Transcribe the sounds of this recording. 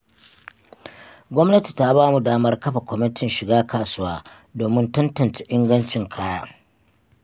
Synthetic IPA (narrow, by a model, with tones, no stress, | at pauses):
ɡʷɔ˦mnɐ˦ti̥˨ta˦baː˦mu˨daː˦mɐ˦rkɐ˦ɸa˨kʷɔ˦mɪ˦tɪ˦nʃɪ˨ɡaː˦kʰaː˨sʊ˦waː˦ | doː˨mɪ˦ntɐ˦ntɐ˨nt͡ʃa˨ʔɪ˦ŋɡɐ˦nt͡ʃɪ˨ŋkʰaː˦jaː˦